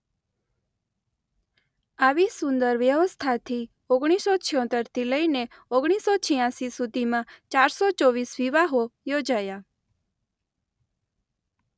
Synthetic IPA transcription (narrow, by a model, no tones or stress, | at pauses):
aʋisʊ̃nd̪əɾʋjəʋəst̪ʰat̪ʰi | oɡɽ̃isot͡ʃʰijɔ̃t̪əɾt̪ʰiləine | oɡɽ̃isot͡ʃʰijãsisud̪ʱimãt͡ʃaɾsɔt͡ʃɔʋisʋiʋaɦojod͡ʒaja